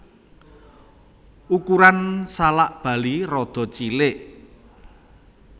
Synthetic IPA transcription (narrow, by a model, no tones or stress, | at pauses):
ukuɾansalaʔb̥ä̤lirɔd̪̥ɔ̤t͡ʃilɪʔ